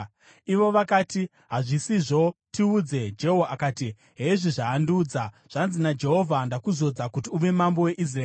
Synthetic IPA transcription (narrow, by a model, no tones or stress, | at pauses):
iʋo̞ʋakaːti | ɦaʐisiʐo̞tiud͡ze̞d͡ʒe̞ɦoaakaːti | ɦe̞ʐiʐaːnduːd͡za | ʐ̥anzinad͡ʒe̞ɦo̞vʱandakuzo̞d͡zakutiuʋe̞mambo̞we̞ʔis̬raeː